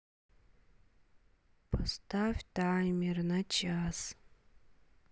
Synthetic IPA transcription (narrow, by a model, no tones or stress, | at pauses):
pʰastʰavʲdaːjmirnat͡ʃʰas